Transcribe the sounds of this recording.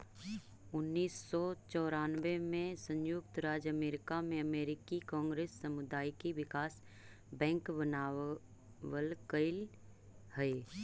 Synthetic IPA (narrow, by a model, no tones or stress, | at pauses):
ʊnːiːsːɔt͡ʃɔːɾaːnʋemẽsə̃njʊkt̪ɾaːd͡ʒəmeːɾɪkamẽəmeːɾɪkikɔ̃ːŋɡɾeːsːəmʊd̪aːjkiʋɪkaːs | bɛ̃ːŋkbənaː | wəlkəɪl | həe